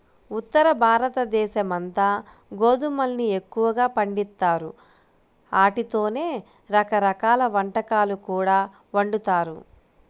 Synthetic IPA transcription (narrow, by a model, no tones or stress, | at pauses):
ut̪ːɐɾɐbʱaːɾɐt̪ɐd̪ɛːʃɐmɐnt̪aː | ɡoːd̪umɐlnie̞kːuʋɐɡaːpɐɳɖit̪ːaːɾu | aːʈit̪o̞ːne̞ː | ɾɐkɐɾɐkaːlɐʋɐɳʈɐkaːlukuːɽaː | ʋɐɳɖut̪aːɾṵ